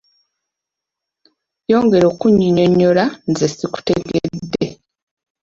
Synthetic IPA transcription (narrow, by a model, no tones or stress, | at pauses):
jo̞ːŋɡe̞ɾo̞ːkuɲːiɲo̞ɲːo̞lanzesiku̥te̞ɡeddːe̞